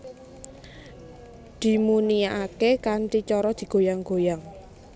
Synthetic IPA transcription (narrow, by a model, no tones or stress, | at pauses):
d̪̥i̤muniaʔakekanʈit͡ʃɔɾɔd̪̥i̤ɡ̥o̤jaŋɡ̥ojaŋ